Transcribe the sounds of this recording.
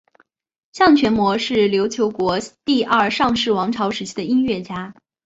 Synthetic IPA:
ɕjɑ˥˩ŋt͡ɕʰɥɛ˧˥nmwɔ˧˥ʂɻ̩˥˩ljo˧˥ʊt͡ɕʰjo˧˥ʊkwɔ˧˥t̪i˥˧ʔɐ˞˥˩ʂɑ˥˧ŋʂɻ̩˥˩wɑ˧˥ŋʈ͡ʂʰɑ˧˥ʊʂɻ̩˧˥t͡ɕʰi˥d̪ə˨˩i˥nɥɛ˥˩t͡ɕja˥

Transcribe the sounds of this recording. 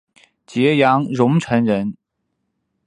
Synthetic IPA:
t͡ɕjɛ˧˥jɑ˧˥ŋɻʊ˧˥ŋʈ͡ʂʰɤ˧˥nɻə˧˥n

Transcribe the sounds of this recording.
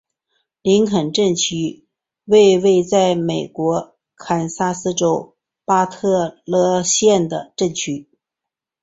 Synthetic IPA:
li˧˥ŋkʰə˨˩nʈ͡ʂə˥˩nt͡ɕʰy˥ | we˥˧ɪwe˥˧ɪt͡sa˥˩ɪme˨˩ɪkwɔ˧˥ | kʰa˨˩nsa˥sɹ̩˥ʈ͡ʂo˥ʊ | pa˥t̪ʰɤ˥˧lɤ˥˧ɕjɛ˥˩nd̪ə̰˩ʈ͡ʂə˥˩nt͡ɕʰy˥

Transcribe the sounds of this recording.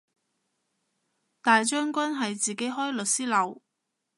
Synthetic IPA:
t̪aː˨jt͡ʃœː˥ŋkʷɐ˥nɦɐ˨jt͡siː˨ke˨˥jɦɔː˥jlɵ˨t̚siː˥lɐ˨˧w

